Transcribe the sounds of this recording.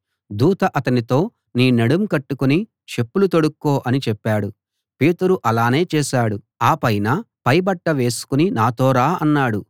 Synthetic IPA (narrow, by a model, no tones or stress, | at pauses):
d̪uːt̪ɐʔɐt̪ɐnit̪o̞ː | niːnɐɽumkɐʈːukuni | ʃe̞pːulut̪o̞ɽukːoːʔɐnit͡ʃɛpːaːɽu | pe̞ːt̪uɾuʔɐlaːne̞ːt͡ʃɛːʃaːɽu | aːpɐjnɐ | pɐjbɐʈːɐʋe̞ːsu̥kuninaːt̪oːɾaːɐnːaːɽu